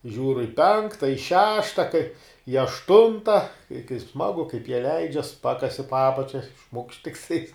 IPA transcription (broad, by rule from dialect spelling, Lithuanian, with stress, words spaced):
ˈʒʲuːr ɪ ˈpʲɛŋktɐ ɪ ˈʃʲæːʃtɐ kɐɪ ɪ ɐʃˈtʊntɐ ɪ kɐɪ ˈsmɑːɡʊ kɐɪp jiɛ ˈlʲɛɪd͡ʒʲɛs ˈpɑːkɐsʲɪ poː ˈɑːpɐt͡ʃʲɛ ʃmʊkʃt tʲɪkˈtɐɪs